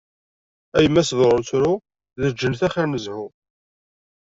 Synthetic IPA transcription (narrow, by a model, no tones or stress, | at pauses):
æjəmːæsðˤɾˤʊt͡sɾʊ | ðəd͡ʒːənθæχæɾnəzhʊ